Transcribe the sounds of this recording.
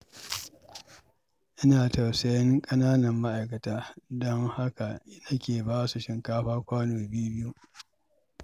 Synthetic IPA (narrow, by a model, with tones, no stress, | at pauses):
ʔɪ˦naː˨tɐ˨wsɐ˨jɐ˦ŋkʼɐ˦naː˦nɐ˨mːa˦ʔa˨jkɐ˨taː˦dɔ˦ŋha˦ka˨˦nɐ˦kʲeː˨baː˦su˨ʃɪ˨ŋkaː˦ɸaː˦kʷaː˦noː˨bɪ˦ju˦bɪ˦ju˦